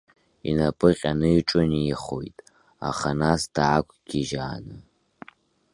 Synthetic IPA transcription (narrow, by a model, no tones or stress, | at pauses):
ḭnapʼɨqʲʼanɨʈ͡ʂʼʊniːχojtʼ | a̰χanasd̥aːkʷʰʼɡ̥ʲiʒaːnɨ